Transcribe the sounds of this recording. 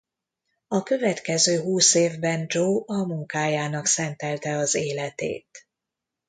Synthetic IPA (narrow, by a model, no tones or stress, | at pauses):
ɒkø̞vɛt̪kɛzøːɦuːseːvbɛnd͡ʒoːʔɒmuŋkaːjaːnɒksɛnt̪ɛlt̪ɛɒzeːlɛt̪ḛːt̪